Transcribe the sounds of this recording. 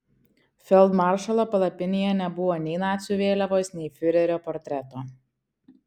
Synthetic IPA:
fʲɛlˠd̪mɑˑɾʃɐlˠoːpɐlˠɐpʲɪnʲejɛnʲɛbʊʋoːnʲɛɪnɑːt̪ʲsʲʊʋʲeːlʲɛʋoːsnʲɛɪfʲʊɾʲɛɾʲoːpɔɾʲt̪ʲɾʲɛt̪oː

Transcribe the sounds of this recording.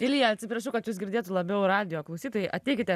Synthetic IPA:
ɪlʲjɛɐt̪ʲsʲɪpɾɐʃʊkɐt̪juːsɡʲɪɾʲd̪ʲeːt̪ʊlˠɐbʲɛʊɾɑːd̪ʲɪjoːklˠɐʊsʲiːt̪oːjɛɪʔɐt̪ʲɛɪkʲɪt̪ʲɛ

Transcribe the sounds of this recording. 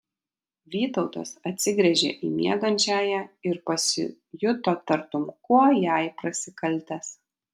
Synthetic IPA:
ʋʲiːt̪ɒʊt̪o̰ːsɐt̪ʲsʲɪɡɾʲɛʒʲḛːʔḭːmʲḭɛɡɐnʲt͡ʃʲæːjɛɪɾpɐsʲɪ̰ | jʊt̪oːt̪ɐɾt̪ʊmkuɔjæˑɪpɾɐsʲɪkɐlʲt̪ʲɛs

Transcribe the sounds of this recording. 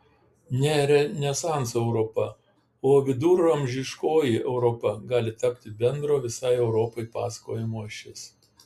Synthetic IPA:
nʲeːɾʲɛnʲɛsɑˑnsɛʊɾopɐ | oːʋʲɪd̪uːɾːɐmʲʒʲɪʃkoːjɪʔɛʊɾɔpɐɡɑːlʲɪt̪ɐpʲt̪ʲɪbʲɛnd̪ɾoːʋʲɪsɐɪɛʊɾɔːpɔɪpɑːsɐ̥koːjɛmoːɪʃʲɛsʲ

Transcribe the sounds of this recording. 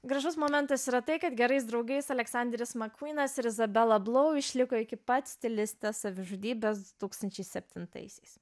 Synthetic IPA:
ɡɾɐʒʊsmoːmʲɛnt̪ɐsiːɾɐt̪ɐɪkɐt̪ɡʲɛɾɐɪs̬d̪ɾɒʊɡɐɪsɐlʲɛksɑnʲd̪ʲɾʲɪsmɐkwʲiːnɐsɪɾɪzɐbʲɛlˠɐblˠoʊɪʃʲlʲɪkoːɪkʲɪpɐt̪ʲsʲt̪ʲɪlʲɪsʲt̪ʲɛssɐʋʲɪʒuːd̪ʲiːbʲɛsd̪ʊt̪uːkst̪ɐnʲt͡ʃʲɛɪsʲɛpʲt̪ʲɪnt̪ɐ̰ɪsʲɛɪs

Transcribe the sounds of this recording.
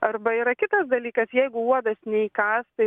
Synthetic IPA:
ɐɾbɐiːɾɐkʲɪt̪ɐsd̪ɐlʲiːkɐsjɛɪɡʊuɔd̪ɐsnʲɛiːkɑːst̪ɐɪ

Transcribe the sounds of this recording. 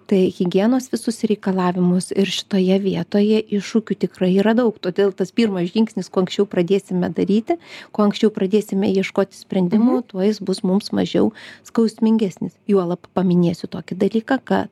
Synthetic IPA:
t̪ɐɪɣʲɪɡʲiɛnoːsʋʲɪsʊsɾʲɛɪkɐlˠɑːʋʲɪmʊsɪrʃʲɪ̥t̪oːjɛʋʲiɛt̪oːjɛʔɪʃuːkʲʊt̪ʲɪkrɐɪiːɾɐd̪ɐʊkt̪oːd̪ʲeːlˠt̪ɐspʲiːrmɐsʒʲɪŋksʲnʲɪskoːɐŋksʲt͡ʃʲɛʊprɐd̪ʲeːsʲɪmʲɛd̪ɐɾʲiːt̪ʲɪkoːɐŋksʲt͡ʃʲɛʊprɐd̪ʲeːsʲɪmʲɛjiɛʃkoːt̪ʲɪsʲpʲɾʲɛnʲd̪ʲɪmuːt̪uɔjɪsbʊsmʊmsmɐ̰ʒʲɛʊskɐʊsʲmʲɪŋʲɡʲæsʲnʲɪsjuɔlˠɐppɐmʲɪnʲeːsʲʊt̪oːkʲɪd̪ɐlʲiːkɑkɐ̰t̪

